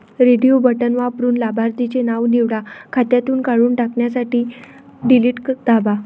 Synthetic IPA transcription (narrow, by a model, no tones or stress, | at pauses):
ɾeɖijobəʈənʋapɾuːnlabʱaɾt̪it͡ɕenaʋniʋɽakʰat̪jat̪uːnkaɭuːnʈakɳjasaʈiː | ɖiliːʈkd̪aba